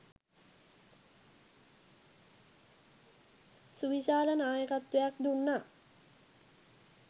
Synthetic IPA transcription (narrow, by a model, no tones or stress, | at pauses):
suʋiɕaːɾənaːjəkat̪ʋejak̚d̪unːa